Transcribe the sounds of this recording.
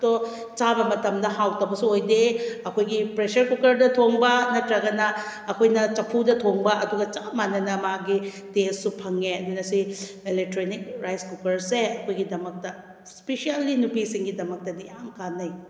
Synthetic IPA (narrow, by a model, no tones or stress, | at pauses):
to | t͡ʃabɐmɐtɐmdɐhawtɐwbɐsuojdeɐkʰojɡipɾesɐɾkukɐɾdɐtʰoŋbɐnɐtɾɐɡɐnɐ | ɐkʰojnɐt͡ʃɐpʰudɐtʰoŋbɐʔɐduɡɐt͡ʃamanɐnɐmɐɦaɡi | dessupʰɐŋeɐdunɐsi | elek̚tɾonik̚ɾajskukɐɾseɐkʰojɡidɐmɐk̚tɐ | sspesialːinupisiŋɡidɐmɐk̚tɐdijamkanːɐj